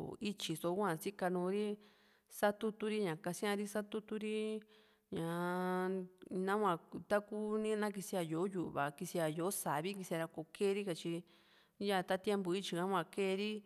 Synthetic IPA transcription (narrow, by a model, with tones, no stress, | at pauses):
i˦t͡ʃi˨so˧˦kʷã˧˨si˦ka˧nũː˧˦ɾi˦ | sa˦t̪u˦t̪u˧ɾi˦ɲã˨ka˧sĩ˦ã˧ɾi˦sa˦t̪u˦t̪u˧ɾi˦ | ɲã˨ | nã˦kʷã˧˨t̪a˦ku˦nĩ˦nã˦k̬i˧si˧a˧jo˨˦ju˨ʔβa̰˨ki˧si˧a˧˨jo˨˦sa˨βi˦ki˧si˧a˧ɾa˧ko˧˨keː˦˧ɾi˦ka˧t͡ʃi˧ | ja˦˧˨t̪a˦t̪e˦mbu˧i˦t͡ʃi˧kã˦kʷã˧˨ke˦˧ɾi˦